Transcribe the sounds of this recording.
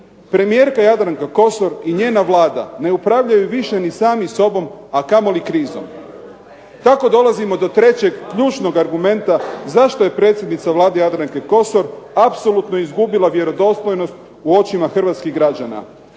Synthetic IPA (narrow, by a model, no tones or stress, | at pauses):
pɾe̞mije̞ːɾkajad̪ɾaŋkako̞so̞ɾiɲe̞ːnaʋlaːd̪a̰ne̞upɾaːʋʎajuʋiʃe̞nisaːmiso̞bo̞makamo̞likɾiːzo̞̰m | t̪ako̞d̪o̞lˠazimo̞d̪o̞t̪ɾe̞t͡ɕe̞ɡːʎuːt͡ʃno̞ɡaɾɡume̞nt̪azaʃt̪o̞je̞pɾet̪sjed̪nit̪saʋlˠaːd̪ejad̪ɾaŋkeko̞so̞ɾapso̞lut̪no̞izɡubilˠaʋje̞ɾo̞d̪o̞slˠo̞jno̞st̪ | uo̞t͡ɕimaxr̩ʋat̪skiɣɡɾad͡ʑana̰